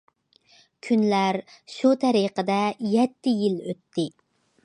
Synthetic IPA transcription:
kʲʰynlæɾʃut̪ʰɛɾiqəd̪ɛjɛt̪ʰːɪjiløt̪ʰːɪ

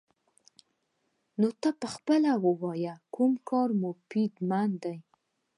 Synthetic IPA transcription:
not̪ɑpəxpəlawəwɑjakumkʰɑɾmopid̪mand̪aj

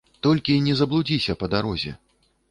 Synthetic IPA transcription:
t̪ɔlʲkʲinʲɛzɐblˠud͡zʲisʲɐpɐd̪aɾɔzʲɛ̰

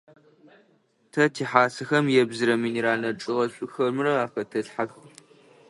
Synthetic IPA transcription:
tʰɐtʰiːħaːsɨxɐmjɛbzɨɾɐmɨniɾaːnɐʈ͡ʂʼɨʁɐɕʷʼʊxɐrmɨrɐaːfɐtʰɐɬħax

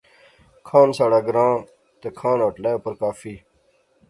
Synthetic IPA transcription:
kʰãːnsaːɽaːɡɾãː | t̪ekʰãːnoːʈlaːjopəɾkaːfiː

